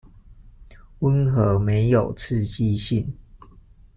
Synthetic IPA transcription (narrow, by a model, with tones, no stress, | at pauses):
wə˦nxɤ˧˦me˨˧˦ɪjo˨˩ʊt͡s̩ʰ˥˨t͡ɕi˦ɕi˥˨n